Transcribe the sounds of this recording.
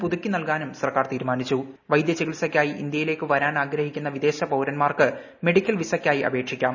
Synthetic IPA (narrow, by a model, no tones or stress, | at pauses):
puðukʲːinɐlkaːnumsɐrkaːrt̪iːɾumaːnit͡ɕːu | ʋɐjd̪jɐt͡ɕeɡiɭsɐkʲːaːjiʔḭnd̪jɐjile̞ːkːɨʋɐɾaːnaːɡɾɐhikʲːunːɐʋid̪e̞ːɕɐpɐwɾɐnmaːrkɨ | me̞ɽikʲːɐlʋisɐkʲːaːjiʔɐ̰bʱe̞ːkʂikʲːaːm